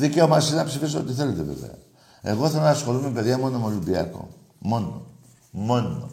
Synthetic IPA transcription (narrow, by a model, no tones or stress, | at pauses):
ðice̞omɐsinenɐpsifis̬oot̪iθe̞let̪eve̞̰vḛɐ̰ | e̞̰ɣoiθelonsxo̞lumepe̞ðʝɐmo̞nomolimbiɐ̰ko̞̰ | mo̞no | mo̞no